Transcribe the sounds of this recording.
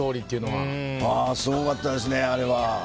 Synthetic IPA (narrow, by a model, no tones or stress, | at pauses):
o̞ːɾʲit̪ːeiɯ̟noβa | asoːɡat̪ːad̪e̞s̬ɨneaɾe̞βa